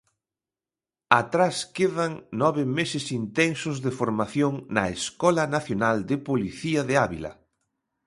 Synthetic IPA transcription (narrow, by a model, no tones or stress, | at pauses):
at̪ɾaskeðɐŋnɔβɪmesɪsint̪ɛnsʊzðɪfoɾmaθjoŋnɐeskɔlɐnaθjonald̪ɪpoliθiɐðɪaβḭlɐ̰